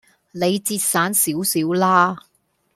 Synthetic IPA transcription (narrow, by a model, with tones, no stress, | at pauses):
le˨˧jt͡siː˧t̚saː˨˥nsiː˨˥wsiː˨˥wlaː˥